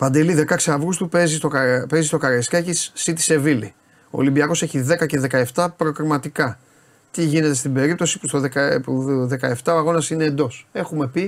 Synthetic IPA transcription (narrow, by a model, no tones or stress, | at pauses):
pɐnd̪e̞liðe̞kɐkseɐvɾust̪upezist̪ope̞zist̪o̞kɐɾeskɐcisːit̪i̥se̞vili | o̞̰limbiɐko̞se̞çiðe̞kɐce̞ðe̞kɐeft̪ɐpɾokɾimɐt̪ikɐ | t̪iʝine̞t̪e̞st̪ibe̞ɾip̚t̪o̞si̥pu̥st̪oðekɐuðe̞kɐeft̪ɐoɐɣo̞nɐsine̞ːnd̪o̞se̞xume̞pi